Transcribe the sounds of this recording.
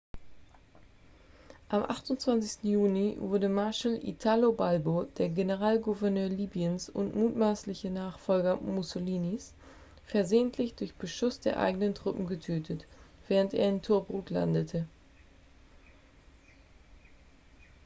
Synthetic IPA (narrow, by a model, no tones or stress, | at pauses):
ʔamʔaχtʊntt͡sv̥ant͡sɪçstn̩juːlivʊɐdəmaɐʃəlʔḭtʰalobalbod̥eːɐɡenəʁaːlɡuvɛɐnøːɐliːbiənsʊ̰ntmuːtmaːslɪçənaːχfɔlɡɐmusoliːnis | fɛɐzeːəntʰlɪçd̥ʊɐçb̥əʃʊsd̥eːɐʔa̰ɪɡənəntʁ̥ʊpm̩ɡətʰøːtʰətv̥ɛːʁ̞əntḛːɐɪntʰʊɐbʁuːtʰla̰ndətʰə